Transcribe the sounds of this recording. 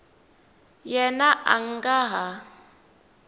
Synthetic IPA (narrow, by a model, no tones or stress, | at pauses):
jɛnaʔa̰ŋ̩ɡaɦa